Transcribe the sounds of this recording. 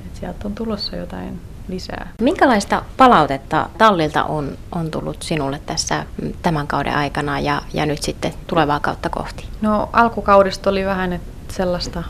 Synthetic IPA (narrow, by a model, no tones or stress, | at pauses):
et̪siælt̪ːont̪ulosːɑjo̰t̪ɑ̰in | lisæ̰ːmiŋkælɑist̪ɑpɑlɑut̪et̪ːɑ̰t̪ɑlːilt̪ɑ̰ʔonʔont̪ulːut̪sinulːet̪t̪ːæsːæt̪æmæŋkɑudḛʔɑikɑnɑjɑjɑ̰nyt̪sit̪ːet̪uleʋɑːkɑ̰ut̪ːɑko̰ht̪i̥noʔɑlkukɑuɾist̪oliʋæhænet̪ | selːɑst̪ɑ